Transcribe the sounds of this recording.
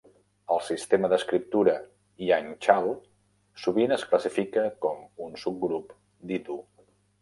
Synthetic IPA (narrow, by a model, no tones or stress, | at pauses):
əlˠsist̪eməðəskɾip̚t̪uɾə | iant͡ʃalˠ | suβinəskləsifikəkɔmunsup̚ɡɾup | d̪it̪u